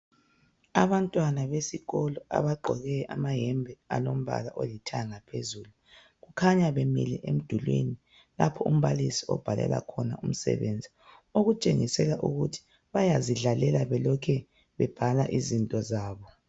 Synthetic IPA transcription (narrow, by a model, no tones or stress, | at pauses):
aβantʼwanaβesiɣɔlɔʔa̰βaɡ͡ǃʱɔɣɛʔamaɦɛmbʱɛalom̩βa̰laʔolitʰaŋapʰezuːlu | ɣukʰaɲaβemḭlɛʔem̩d̥ʱulwḛni | lapʰɔum̩βalisiɔ̰b̥ʱalɛ̰la̰kʰɔnaum̩sɛ̰βend͡zʱi | oɣut͡ʃʼeŋisɛlaʔuɣutʰi̥ | βajaziɮalɛlaβɛlɔkʰɛ | βɛb̥ʱalaʔizintʼɔzaːβɔ